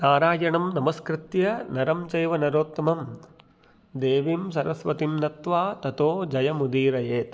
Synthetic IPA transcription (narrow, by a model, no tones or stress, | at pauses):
naːɾaːjɐɳɐmnɐmɐskɾɪt̪jɐnɐɾɐmt͡ʃɐjʋɐnɐɾoːt̪ːɐmɐm | d̪eːʋimsɐɾɐsʋɐt̪imnɐt̪ʋaːt̪ɐt̪oːd͡ʒɐjɐmud̪iːɾɐjeːt̪